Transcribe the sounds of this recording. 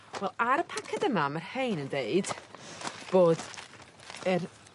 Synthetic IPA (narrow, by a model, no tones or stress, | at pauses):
wɛlˠaɾəpʰakʰɛdəmamarhejnəndeɨd̥ | b̥oːd | ər